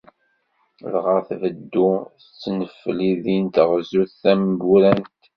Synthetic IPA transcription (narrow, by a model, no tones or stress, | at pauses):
ðʁəθvəd̪ːuθt͡sːnəfːliðint̪ʁzuθθæmɡuɾænt̪